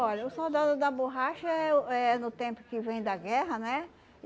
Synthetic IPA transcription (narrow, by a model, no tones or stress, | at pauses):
ɔʎɐʊsowd̪ad̪ʊd̪ɐboɦaʃɐɛʊɛnʊt̪ẽpʊ̥kɪvẽj̃d̪ɐɡɛɦɐnɛ